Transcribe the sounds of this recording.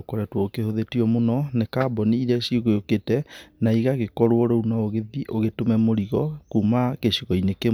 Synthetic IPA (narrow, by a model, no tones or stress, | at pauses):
okoɾɛtwɔokehoðetiɔmonɔnekaːbɔniiɾɛɕioɣojoketɛnaiɣaɣekɔɾwɔɾounaoɣeðiʔoɣetomɛmoɾiɣɔkuːmakeɕiɣɔineke